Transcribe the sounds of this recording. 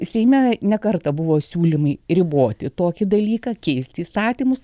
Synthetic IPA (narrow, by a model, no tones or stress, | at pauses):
sʲɛɪmʲɛnʲɛkɐrt̪ɐbʊʋoːsʲuːlʲɪmɐɪɾʲɪboːt̪ʲɪt̪oːkʲɪd̪ɐlʲiːkɑːkʲɛɪsʲt̪ʲiːst̪ɑːt̪ʲiːmʊs